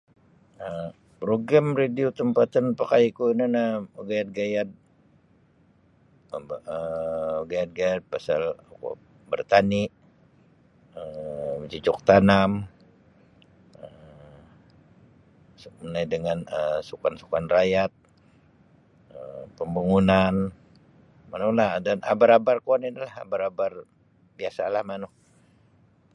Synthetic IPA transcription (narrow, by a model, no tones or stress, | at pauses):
ə | pɾoɡɾamrediot̪əmpat̪anpakajikuinanaɡajat̪̚ɡajat̪̚ | bəɡajat̪̚ɡajat̪̚pasalko̰ | bərt̪anɪʔ | ət͡ʃit͡ʃʊk̚t̪anam | ə | sunajdəŋanəsukansukanrajat̪̚ | əpəmbaŋunan | manuhlahdanʔa̰baɾabarkaninilaha̰baɾabar | biasalahmanuh